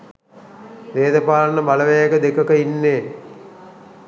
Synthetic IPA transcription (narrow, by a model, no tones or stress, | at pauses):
ʋeːd̪ɐpaːnəbalɐʋejakəd̪ekəkəinːeː